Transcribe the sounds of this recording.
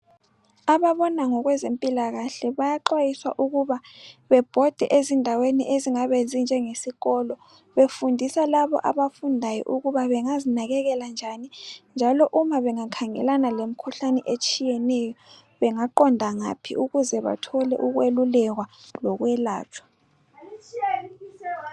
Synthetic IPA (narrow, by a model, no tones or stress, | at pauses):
aβaβɔnaŋɔɣwɛzempʼilaɣaɬɛβajaǃwajiswa̰ʔuɣuβaβɛb̥ʱɔd̥ʱɛ̰ʔezindʱaweniʔeziŋaβend͡zind͡ʒʱɛŋesiɣɔlɔ | βefundʱisalaβɔ̰ʔa̰βafundʱajɔ̰ʔuɣuβaβɛŋazinaɣɛɣɛland͡ʒʱanind͡ʒʱalɔʔumaβɛŋakʰaŋɛ̰lanalemikʰuɬanɛʔet͡ʃʼijɛnɛjɔ | βɛŋaǃɔndʱaŋa̰pʰḭʔuɣuzɛβa̰tʰɔlɛ̰ʔuɣwelulɛɣwalɔɣwɛla̰ːt͡ʃʰʼwḁ